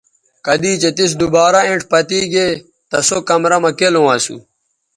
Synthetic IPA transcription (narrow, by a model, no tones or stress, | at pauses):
kɐd̪iːt͡ɕet̪is̬d̪ubaːɾɐẽɳʈpɐt̪iːɡe | t̪ɐsokɐmɾɐmɐkelowaːsṵ